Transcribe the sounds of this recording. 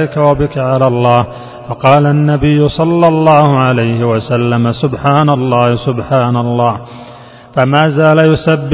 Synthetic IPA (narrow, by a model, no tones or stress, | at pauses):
ɪkawabɪkaʕalaːlˤːɑːh | fɑqɑːlanːabɪjːʊsˤɑlːɑlˤːɑːhʊʕalajhɪwasalːamasʊbħaːnalˤːɑːhɪsʊbħaːnalˤːɑːh | famaːzaːlajʊsabː